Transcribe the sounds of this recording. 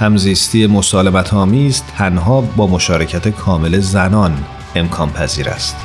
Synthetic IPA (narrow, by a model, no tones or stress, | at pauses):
hæmziːst̪iːe̞mo̞sɒːle̞mæt̪ʰɒːmiːzt̪ʰænɦɒːbɒːmo̞ʃɒːɾe̞cʰæt̪ʰe̞kʰɒːme̞le̞zænɒːn | e̞mkʰɒːnpʰæziːɾæ̰st̪